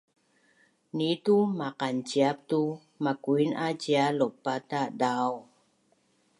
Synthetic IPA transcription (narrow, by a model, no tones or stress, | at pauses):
nit̪umaqant͡ʃiap̚t̪u | makuinʔad͡ʒialopat̪aʔdaw